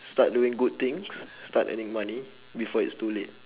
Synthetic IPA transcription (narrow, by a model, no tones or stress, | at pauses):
stat̚duɪ̃ŋɡud̚t̪ɪ̃ŋsstatɛ̰nĩŋmani | bifɔitstulet̚